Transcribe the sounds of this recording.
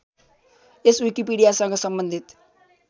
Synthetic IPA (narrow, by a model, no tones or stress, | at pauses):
eswikipiɽijasʌŋɡʌsʌmbʌnd̪ʱit̪